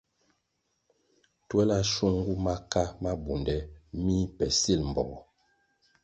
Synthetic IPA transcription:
twɛ˦la˦ʃu˦ŋ˦ɡu˦ma˦ka˦ma˦bu˨ndɛ˨mi˦pɛ˨si˦˨lm̩˨bɔ̰˨ɔ˨

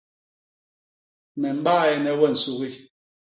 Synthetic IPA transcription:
mɛ˨m̩˦ɓaː˦˨ɛ˦nɛ˦wɛ˦˨n̩˨su˦ɣi˦

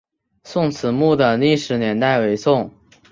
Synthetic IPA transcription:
sʊ˥˩ŋt͡sʰɹ̩˨˩mu˥˩d̪ə˩li˥˩ʂɻ̩˧˥njɛ˧˥nt̪a˥˩ɪwe˧˥ɪsʊ˥˩ŋ

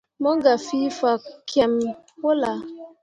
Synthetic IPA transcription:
mɔ˦ɡa˨fi˦fa˨kkjɛ˨m | wo˦la˨

